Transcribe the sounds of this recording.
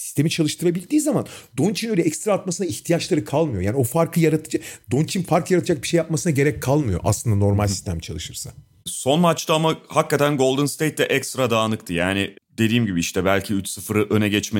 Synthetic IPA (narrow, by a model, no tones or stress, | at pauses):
si̥st̪ʰe̞mit͡ʃʰalˠɯʃt̪ʰɯɾabilʲd̪iːzamand̪o̞nt͡ʃʰinø̞jlʲɛɛkst̪ɾaːt̪masɯnaiçt̪ʰijat͡ʃlˠaɾɯkʰalˠmɯjo̞jaːnio̞faɾkʰˠɯjaɾat̪ʰɯ̥d͡ʒad̪o̞nt͡ʃʰinfaɾklˠɯjaɾat̪ʰɯd͡ʒak̚biʃejːap̚masɯnaɟe̞ɾɛc̚kʰːalˠmɯjo̞̰ʔa̰slˠɯnd̪ano̞ɾmalʲssi̥st̪ʰæmt͡ʃʰalˠɯʃɯɾsa̰ | so̞nmat͡ʃt̪aamahakːat̪ʰænɡo̞lˠd̪ɯnst̪ejt̪̚ːɛʔɛkst̪ɾad̪aːnɯkt̪ʰɯjaːnɪd̪e̞d̪iːmɟibiiʃt̪ɛbælʲcʰiyt͡ʃsɯfɯɾɯʔø̞nɛɟɛt͡ʃme